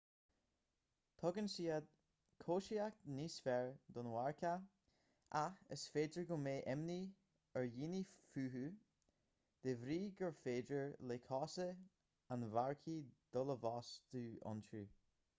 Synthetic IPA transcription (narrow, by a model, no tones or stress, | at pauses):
t̪ʰɔɡənsiːad̪̚ | kʰoːʃiak̚t̪niːsfɛɹd̪ɔnwaɹkʰa | ʔaxə̰sfeːdəɹɡʊmeːʔɛmni | əɹjiːnifʉːɦu | d̪̥evɾiːɡəɹfeːdəɹlekʰɔsə | anvaɹkʰid̪̥ʊləvɔːsd̪ʉːɔ̰ntʉː